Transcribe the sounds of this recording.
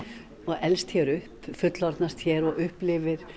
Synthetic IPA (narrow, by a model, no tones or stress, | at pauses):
ɔɣɛlst̪çɛːɾʏhpfʏt̪lɔɾt̪nast̪çɛɾɔɣʏhplɪvɪɾ̥